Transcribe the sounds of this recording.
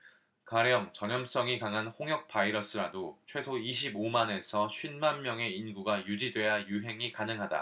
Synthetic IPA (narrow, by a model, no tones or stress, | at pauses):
kaɾjʌŋt͡ɕʌɲʌms͈ʌŋikaŋɦanɸoŋjʌk̚p͈aiɾʌs͈ɯɾadot͡ɕʰwe̞sʰoiɕ̬ʰibomane̞sʰʌɕʰɥinmanmjʌŋe̞inɡuɡajud͡ʑidwe̞jajuɦe̞ŋikanɯŋɦada̰